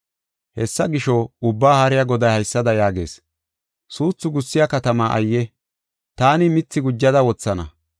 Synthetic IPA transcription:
hɛsːɐɡɪʃɔʊbːaːhɐɾɪjɐɡɔd̪ɐjhɐjsːɐd̪ɐjaːɡe̞ːs | suːt͡sːʊɡʊsːɪjakɐt̪ɐmaːʔɐ̰jːɛ | t̪aːnɪmɪt͡sːɪɡʊd͡ʒːɐd̪ɐwɔt͡sːɐnɐ̰

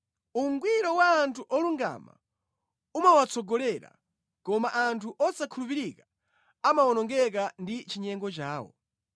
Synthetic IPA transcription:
uŋɡwiɾɔwaːntʰuʔɔluŋɡa̰ma̰ | umawat͡sɔɡɔlɛɾa̰ | kɔmaʔantʰuʔɔsakʰulupiɾikḁ | amaɔnɔŋɡɛk̬andit͡ʃiɲɛŋɡɔt͡ʃaːwɔ̰

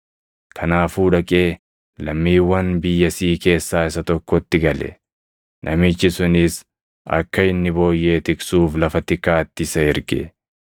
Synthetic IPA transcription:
kʰɐnaːfuːᶑɐkʼe̞ː | lɐmːiːwːɐnbɪjːɐsiːke̞ːsːaːɪsɐt̪ɔkːɔt̪ːɪɡɐlɛ̰ | nʔɐmɪt͡ʃːɪsʊnɪs | ɐ̰kːɐɪnːɪbo̞ːjːe̞ːt̪ɪkʼsuːflɐfɐt̪ɪkːaːt̪ːɪsɐɪɾɡɛ̰

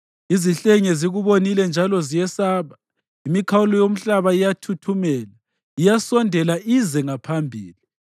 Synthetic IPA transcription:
iziɬɛŋɛziɣuβonilɛnd͡ʒʱalɔzijɛsaːβa | imikʰawulɔjom̩ɬaβaijatʰutʰumɛːla | ijasɔndʱɛlaʔizɛŋapʰambʱiːli

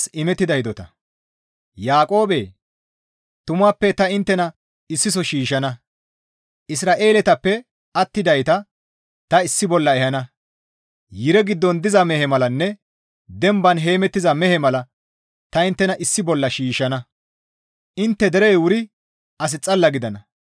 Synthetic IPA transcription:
sɪmɛt̪ːɪd̪ɐjɪd̪ɔt̪ɐ̰ | jaːkʼo̞ːbeː | t̪ʊmaːpːɛt̪ɐɪnt̪ːɛnɐ | ɪsːɪs̬ɔʃiːʃɐnɐ | ʔɪsɾaːʔe̞ːlɛt̪ɐpːɛ | ɐt̪ːɪd̪ɐjt̪ɐ | t̪ɐɪsːɪbɔlːɐɛhɐnɐ | jɪɾɛɡɪd̪ːɔnd̪ɪzɐmɛhɛmɐlɐnːɛ | d̪ɛmbɐnɦe̞ːmɛt̪ːɪzɐmɛhɛmɐlɐ | t̪ɐɪnt̪ːɛnɐʔɪsːɪbɔlːɐʃiːʃɐnɐ | ʔɪnt̪ːɛd̪ɛɾɛjwʊɾɪ | ɐs̬ɪt͡sʼɐlːɐɡɪd̪ɐnɐ

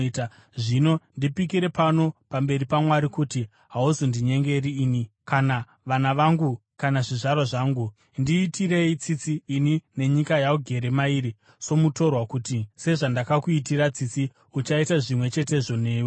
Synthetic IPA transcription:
ta | ʐino̞ndipikiɾe̞pano̞pambe̞ɾipamwaɾikuti | ɦauzondiɲe̞ŋɡe̞riːnikana | ʋanaʋaŋɡu | kanaʐiʐaɾaʐaːŋɡu | ndiːtire̞it͡sit͡siːnine̞ɲikajauɡʱe̞ɾe̞maiɾi | so̞muto̞rwakuːtise̞ʐandakakuitiɾat͡sit͡si | ut͡ʃaitaʐimwe̞t͡ʃe̞te̞ʐo̞ne̞ːwe

